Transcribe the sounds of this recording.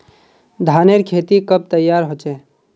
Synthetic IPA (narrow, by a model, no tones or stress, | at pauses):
d̪ʱaːneɾkʰeːt̪ikəb̚t̪əjːaːɾɦot͡ʃɛ